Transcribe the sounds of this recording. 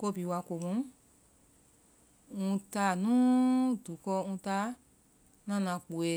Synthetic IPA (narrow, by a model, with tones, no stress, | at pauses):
ko˧˨bi˨wa˧ko˨mũ˦ | ŋũ˧ta˧˦˨nũ˦du˨˦kɔ˧ŋũ˧ta˦ | nã˦nã˨˧˨k͡po˨e˧